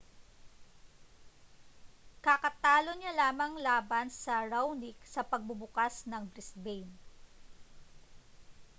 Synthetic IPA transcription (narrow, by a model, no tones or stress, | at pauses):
kakɐt̪aːloɲalaːmɐŋlaːbɐnsɐɹawnɪksɐpɐɡ̚bʊbʊkasnɐŋbɾɪsbɛjn